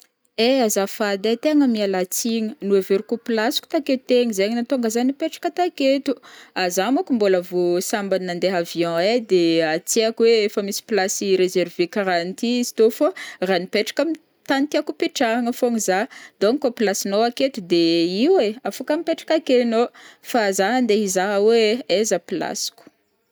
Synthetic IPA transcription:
eazafad̪et̪eŋəmialat͡siŋənueveɾikupilasu̥ku̥t̪aket̪eŋizeɲnat̪oŋɡazanipeʈ͡ʂḁkət̪aket̪uazamukumboləvosambaniːãnd̪eɦavjɔ̃ed̪eat͡seakweefəmisi̥plasiɾezervekaɾant̪izi̥t̪oforanipeʈ͡ʂḁkami | t̪anit̪iakupiʈ͡ʂaŋəfoŋizad̪̥oŋikopilasinoaket̪ud̪eiweafakamipeʈ͡ʂḁkakenofazaɦand̪eɦizaɦaweezəpila̰si̥ku̥

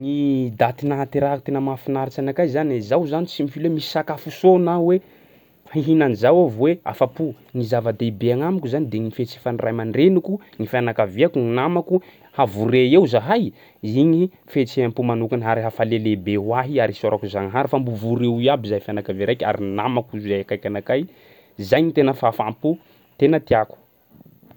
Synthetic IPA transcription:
nid̪at̪inaat̪iɾakut̪enəmafinaɾit͡ʃanakazanzawzanit͡simifilemisi̥sakafusonawe | hiɦinanizawavwea̰fapu | ŋizavad̪eibeaŋamikʲuzanid̪eŋifet͡sifanirajmaɳɖ͡ʐenuku | ŋifanakaveakuŋinamaku | havuɾeewzaɦaj | iɲi | fet͡seampumanukanaɾiɦafalelebewaɦiaɾisoɾakuzaŋɦaɾifambuvuɾewiabizafianakaveɾajkʲa̰ɾinamakuzajakajkanakaj | zajɲit̪enəfafampu | t̪enət̪iaku̥

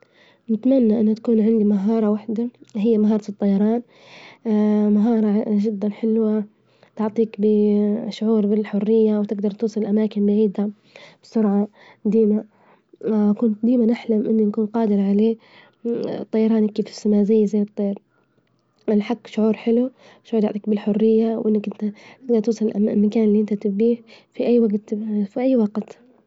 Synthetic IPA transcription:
nɪt̪manːaʔɪnːʊt̪ḁkuːnʕɪnd̪imaɦɑːɾˤɑwaħd̪aɦɪjːamaɦɑːɾˤɑt̪ɨt̪ˤːɑjɑɾˤɑːn | maɦɑːɾˤɑʒɪd̪ːanħɪlwa | t̪ʊʕt̪ˤiːkbɪʃʊʕuːɾbɪlħʊrːɪjːawt̪ɪɡd̪ɑɾˤt̪uːsˤɨlɪlʔamaːkɪnmaʕiːd̪a | b̥ɪsʊɾʕɑ | d̪iːma | kʊnt̪̚d̪iːmanɪħlamʔɪnːinakuːnqɑːd̪ɪɾʕaleː | t̪ˤːɑjɑɾˤɑːnikːiːfɪ̥sɪmaːzajːzajːt̪ˤːɑjɾ | ʔanħakːʃʊʕuːɾħɪlu | ʃʕuːɾt̪ɑʕt̪ˤiːk̚bɪlħʊrːɪjːawʔɪnːakʔɪnt̪at̪ɪɡ̚d̪ɑɾˤt̪uːsˤɨlɪlʔa̰lmakaːnɪlːiʔɪnt̪at̪ɪbiːhfiʔajːwaɡt̪fiʔajːwɑɡt̪

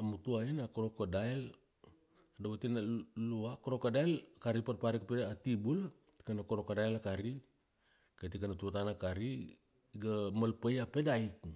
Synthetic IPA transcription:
amutuainakoɾokodael | dawatinaluakoɾokadaelkaɾipatpaɾikapeatibul | ti̥kanakoɾokadaelakaɾi | katikanatuatanakaɾi | ɡamalpajapedaik̚

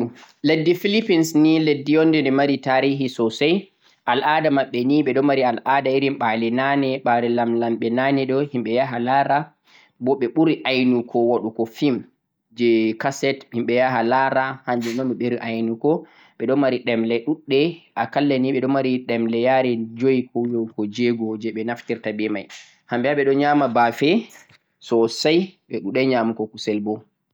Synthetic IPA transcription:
ledːifilipinsniledːijɔndɛndɛmaɾitaɾiɦisɔsaj | ʔalʔadamaɓːɛniɓɛɗɔmaɾialʔadaiɾimɓalɛnanɛɓalɛlamlamɓɛnanɛɗɔhimɓɛjaɦalaɾa | bɔɓɛɓuɾiʔajnukʰɔwaɗukɔfim | d͡ʒɛkasɛthimɓɛjaɦalaɾahaɲd͡ʒumamːɛɓeɾiʔajnukɔ | ɓɛɗɔmaɾiɗɛmlɛɗuɗːɛʔakalːɛniɓɛɗɔmaɾiɗɛmlɛjaɾɛd͡ʒojikʰɔjɔkɔd͡ʒɛɡɔd͡ʒɛɓɛnaftiɾtabɛmaj | hambɛaɓɛɗɔɲamabafɛ | sɔsajɓɛɗuɗɛɲamukɔkusɛlbɔ

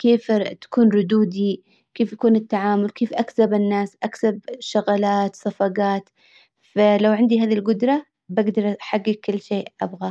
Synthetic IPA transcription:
keːft̪ḁkuːnɾʊd̪uːd̪i | keːfjakuːnɪt̪ːaʕaːmʊlkeːfʔaksabɪnːaːsʔaksabʃʊɣalaːt̪sˤɑfɑɡaːt̪ | falawʕɪnd̪iɦaːðilɡʊd̪ɾˤɑ | baɡd̪ɑɾˤaħaɡːɪkkːɪlːʃeːʔʔabɣa

